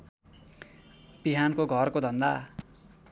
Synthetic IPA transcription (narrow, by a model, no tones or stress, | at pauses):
biɦankoɡʱʌrkod̪ʱʌnd̪a